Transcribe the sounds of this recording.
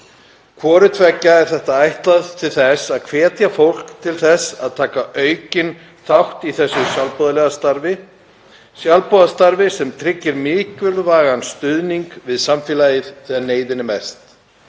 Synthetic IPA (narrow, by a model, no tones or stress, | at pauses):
kʰvɔːɾʏt̪ʰvɛcːaɛɾ̥θɛht̪aajht̪laðt̪ʰɪlθɛsaðkʰvɛːt̪jafowl̥kt̪ʰɪlθɛsa̰ðt̪ʰaːkaʔœːɥcɪn | θawht̪iθɛsːʏsjalpɔðalɛɣast̪aɾvɪ | sjalpɔðast̪aɾvɪsɛmt̪ʰɾɪcːɪɾmɪːcvʏlvaːɣanst̪ʏðniŋkvɪðsamfɪːlaːjɪðθɛːɣaneːjðɪnɪmɛst̪